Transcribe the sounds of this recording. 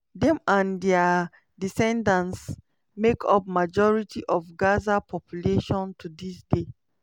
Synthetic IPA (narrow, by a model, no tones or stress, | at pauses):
dɛ̃mãndɛa | disɛ̃ndãns | mekʰɔ̰p̚mad͡ʒɔɹitiʔɔfɡazapʰɔpʰjuleʃɔ̃ntʰudisde